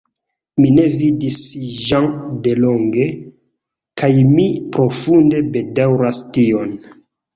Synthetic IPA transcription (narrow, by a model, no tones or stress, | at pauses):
mine̞vidisʒaŋde̞lo̞ŋɡe̞ | kajmipɾo̞funde̞be̞dawɾastio̞n